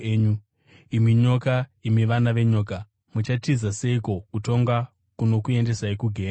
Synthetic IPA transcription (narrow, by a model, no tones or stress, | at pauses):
ɲu | imiɲo̞kaimiʋanaʋe̞ɲo̞ːka | mut͡ʃatizase̞iko̞kuto̞ŋɡa | kuno̞kue̞nde̞saikuɡʱeː